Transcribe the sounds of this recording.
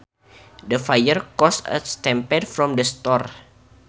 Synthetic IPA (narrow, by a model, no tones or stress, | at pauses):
dəfajərkɔsə̰st̪ɛ̃mpɛdfɾɔmdəst̪ɔr